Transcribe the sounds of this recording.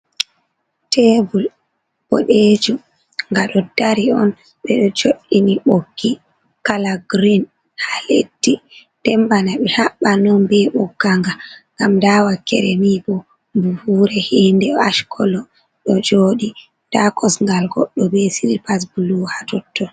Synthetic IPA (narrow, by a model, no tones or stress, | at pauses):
tʰebul | bɔ̰ɗed͡ʒu | ŋɡaɗɔdaɾiɔn | ɓɛɗɔd͡ʒoɗiniɓoɡːi | kalaɡɾin | halḛtːitɛmbanaɓɛhaɓːanɔnbɛɓɔɡaŋɡaŋɡamdawakɛ̰ɾɛmibɔ | buhuːɾɛhendɛaʃkʰɔlɔ | ɗɔd͡ʒoɗi | takɔsŋɡalɡɔɗːɔbesiɾipas̬buluhatɔtːɔ